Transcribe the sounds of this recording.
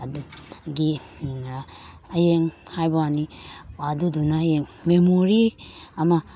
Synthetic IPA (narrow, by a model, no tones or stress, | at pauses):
duɡi | ajeŋhajbaniadudunajeŋmemoɾiama